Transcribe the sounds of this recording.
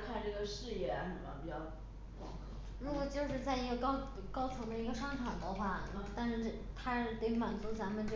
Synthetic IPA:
kʰa˥˧nʈ͡ʂɤ˥˩ɡə˩ʂɻ̩˥˧jɛ˥˧˩a˥n˨˩a̰˧˥˩pi˨˩jt͡ɕjɑ˥˩ʊ | wɑ̰˨˩ŋkʰ | na˥˩mɔ˨˩t͡ɕjo˥˧ʊʂɻ̩˥˧t͡sa˥˩ɪi˧˥ɡə˧kɑ˥ | kɑ˥ʊt͡sʰɤ˧˥ŋd̪ə˧i˧˥ɡə˧ʂɑ˥ŋt̪ʰa˨˩d̪ə˧xwa˥˩n˥˩t̪a˥˧nʂɻ̩˥˧ʈ͡ʂt̪ʰa˥˩t̪e˥ɪfa˨˩nt͡su˧˥t͡sa˧˥mə˧˨nʈ͡ʂ

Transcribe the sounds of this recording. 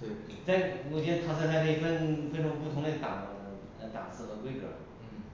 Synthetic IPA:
t̪we˥˩ | t͡sa˥˩ɪnwɔ˨˩t͡ɕjɛ˥nt̪ʰa˥sʰsʰa˧˥kʰɤ˥˩˨fə˥˧nfe˥ɪʈ͡ʂʰa˧˥ŋp̬u˥˩t̪ʰʊ˧˥ŋd̪ə˧t̪ɑ̰˨˩ŋ | ə˧t̪ɑ̰˨˩ŋsɹ̩˥˩xə˧˥kwe˥ɪʈ͡ʂə̰˨˩˥

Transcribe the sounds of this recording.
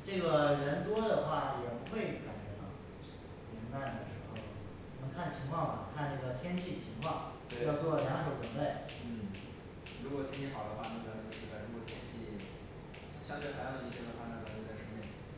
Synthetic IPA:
ʈ͡ʂɤ˥˩ɡə˩ɻə˧˥nt̪wɔ˥d̪ə˨xwa˥˩jɛ˨˩pu˧˥xwe˥˩ɪka˨˩nt͡ɕɥɛ˧˥t̪ɑ̰˥˩ʊ | ljɛ˧˥nna˥˩nd̪ə˩ʂɻ̩˧˥xo˥˩ʊ˩ | nə˧˥ŋkʰa˥˩nt͡ɕʰi˧˥ŋkʰwɑ˥˩ŋnə˨˩kʰa˥˧nna˥˩ɡə˩t̪ʰjɛ˥nt͡ɕʰi˥˩t͡ɕʰi˧˥ŋkʰwɑ˥˩ŋ˥˧˩jɑ˥˧ʊt͡swɔ˥˩ljɑ˧˥ŋʂo˧˩ʊwə˨˩nle˥˩ɪ | n̩˥˩ | ɻu˧˥kwɔ˨t̪ʰjɛ˥nt͡ɕʰi˥˩xɑ˨˩ʊd̪ə˦xwa˥˧na˥˩ɡə˨˩t͡ɕo˥˧ʊʂɻ̩˥˩a˧˩ɻu˧˥kwɔ˨˩t̪ʰjɛ˥nt͡ɕʰi˥˩˥ | ɕjɑ˥˧t̪wxa˨˥jjt͡ɕʰɛ˥˩nə˧kʰwa˥˧na˥˩ɡə˧˩˧k̪ʂɻ̩˥˧mɛ˥˩

